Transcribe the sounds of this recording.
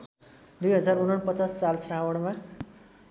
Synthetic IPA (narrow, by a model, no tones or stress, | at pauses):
d̪ujɦʌd͡zaɾunʌɳpʌt͡sasːalsrãwʌɽma